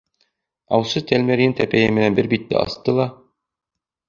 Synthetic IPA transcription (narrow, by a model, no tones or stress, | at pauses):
ɒwsɤt̪ælmæɾjɘnt̪æpæjɘmɘ̆nænbɘɾbit̪ːɘ̰ʔɑ̰st̪ɤlˠɑ